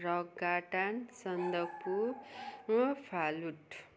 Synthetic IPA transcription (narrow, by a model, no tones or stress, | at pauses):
ɾʌɡaʈansʌnd̪ʌk̚pu | pʰaluʈ